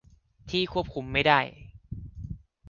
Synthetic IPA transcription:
t̪ʰiː˥˩kʰu˥˩əp̚kʰu˧˥mːa˥˩jdaː˥˩j

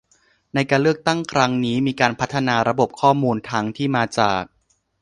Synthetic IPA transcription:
na˧jkaː˧nlɯ˥˩ək̚t̪a˥˩ŋkʰɾa˦˥ŋniː˦˥miː˧kaː˧npʰa˦˥t̪ʰːa˧naː˧ɾa˧bo˨˩p̚kʰɔː˥˩muː˧nt̪ʰa˦˥ŋt̪ʰiː˥˩maː˧t͡ɕaː˨˩k̚

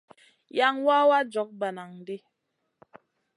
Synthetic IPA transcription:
ja˦ŋwa˦wa˦d͡ʒɔ˨˦k̚ba˨na˨ŋdi˦

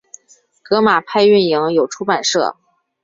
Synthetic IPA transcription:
kɤ˧˥ma˨˩pʰa˥˧ɪy˥˩nji˧˥ŋjo˨˩ʊʈ͡ʂʰu˧˥pa˨˩nʂɤ̰˥˩

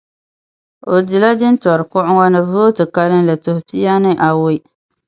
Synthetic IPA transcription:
o˨dɪ˨la˦d͡ʒɪ˦ntɔ˨ɾɨ˨kʊ˦ʔʊ˦ŋɔ˦nɨ˦vo˦tɨ˨ka˦lɨ˦nla˨tʊ˨hʊ˨pi˦ja˦nɨ˦ʔa˨wʊ˦

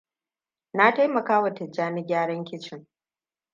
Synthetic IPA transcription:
na˦ta˦jmɐ˨kaː˦wɐ˨tɪ˨d͡ʒaː˦nɪ˦ɡʲaː˦ɽɐ˦ŋkʲɪ˦t͡ʃɪ˦ŋ

